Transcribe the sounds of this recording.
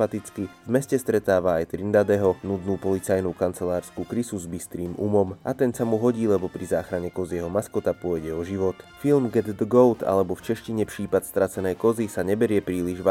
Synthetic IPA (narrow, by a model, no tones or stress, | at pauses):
at̪it͡skivmɛscɛst̪ɾɛt̪aːʋaajt̪ɾind̪ad̪ɛɦɔnud̪nuːpɔlit͡sajnuːkant͡sɛlaːɾskukɾisuzbist̪ɾiːmṵmɔmʔat̪ɛnsamuɦɔɟiːlɛbɔpɾizaːxɾaɲɛkɔziɛɦɔmaskɔt̪apʊɔjɟɛɔʒiʋɔt̪filmɡɛd̪d̪əɡɔlt̪a̰lɛbɔft͡ʃɛʃciɲɛpʃiːpat̪st̪ɾat͡sɛnɛjkɔzisaɲɛbɛɾɪɛpɾiːliʒʋa